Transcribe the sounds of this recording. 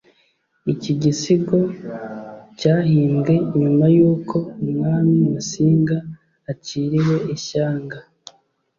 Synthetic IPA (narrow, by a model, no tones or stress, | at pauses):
iciɟisiɡo̞ | caːɦiːŋɡe̞ɲumajuːkʰo̞umŋaːmiusiːŋɡaː | ciːɾiwe̞ʔiʃaːŋɡa